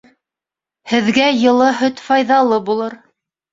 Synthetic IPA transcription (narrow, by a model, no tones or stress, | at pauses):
hɘ̆ðɡæjɤ̆lˠɤɦɵt̪fɑjðɑlˠɤbulˠɤɾ